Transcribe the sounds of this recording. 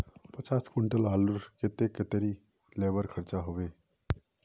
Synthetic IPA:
pət͡ʃaːskuɳʈəlaːluɾket̪eket̪eɾi | lebəɾkʰəɾt͡ʃaɦobe

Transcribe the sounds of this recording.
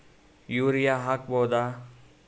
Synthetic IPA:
juɾijaɦak̚boːd̪a

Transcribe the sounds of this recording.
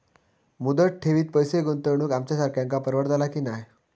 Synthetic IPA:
mud̪əʈ̚ʈʰeʋiːt̪̚pəjseɡənt̪əɾɳ̃uːkamt͡ɕjasaɾkʰjãŋkapəɾʋəɾt̪alakiːnaj

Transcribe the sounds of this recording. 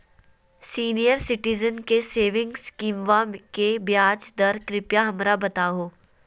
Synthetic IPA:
siːnijəɾsɪʈɪzənkeseːʋɪ̃ŋɡskiːmʋãmkebjaːd͡ʒd̪ɐɾkɾɪpjaɦɐmɾabɐt̪aːɦoː

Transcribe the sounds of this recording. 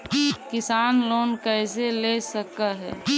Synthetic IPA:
kɪsaːnloːnkɛɪselesəkaɦɛ̰ː

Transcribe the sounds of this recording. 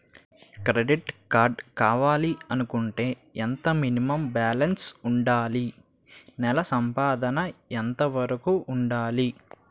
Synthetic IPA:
kɾeɖiʈkaːɾɖkaːʋaːliɐnukuɳʈe̞ː | ent̪ɐminimɐmbaːlɐnsuɳɖaːli | nɛlɐsɐmpaːd̪ɐnɐent̪ɐʋɐɾɐkuʔːɳɖaːli

